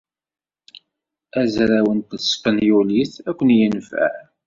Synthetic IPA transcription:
æzɾæwənt̪spənjuliθækʷːənjənfə̰ʕ

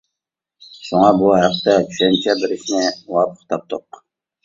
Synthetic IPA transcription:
ʃuŋɑbuɦæqt̪ɛt̪ʰy̥ʃɛnt͡ʃʰɛbɪɾɪʃnɪwɑpə̥q̚t̪ʰɑp̚t̪ʰoq

